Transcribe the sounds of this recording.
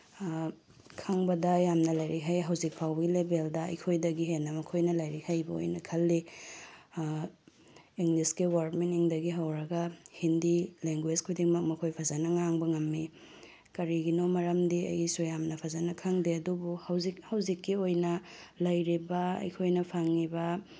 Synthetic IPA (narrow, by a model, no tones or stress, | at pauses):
kʰaŋbɐdɐjamnɐlɐjɾiɦajɦɐwzik̚pʰawbɐɡilebeldɐɐ̰jkʰojdɐɡiɦenːɐmɐkʰojnɐlɐjɾihajbɐo̰jnɐkʰɐlːi | iŋɡliskewaɾkmenːiŋdɐɡiɦɐwɾɐɡɐhindileŋɡwed͡ʒkʰojdiŋmɐk̚mɐkʰojpʰazanɐŋaŋbɐŋɐmːi | kɐɾiɡinomɐɾɐmdiɐ̰jsujamnɐpʰazanɐkʰaŋdeɐdubuhɐwzik̚hɐwzikːiojnɐ | lɐjɾibɐɐ̰jkʰojnɐpʰaŋibɐ